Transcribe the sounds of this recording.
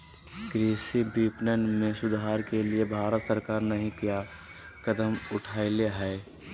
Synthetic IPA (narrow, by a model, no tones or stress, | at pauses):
kɾiːsibiːpnənmẽsʊd̪ʱaːɾkeliebʱaːɾət̪səɾkaːɾnɐɦĩkija | kəd̪əmʊʈʰaːɪleɦɛː